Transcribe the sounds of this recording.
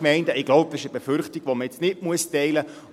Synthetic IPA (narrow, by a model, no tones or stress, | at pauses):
mɛɪndəɪɡ̥loʊp̚d̥̪ɑsɪʃəbefʏɾχtiɡ̥ʋoməɛt͡snɪtmuəstɛɪlə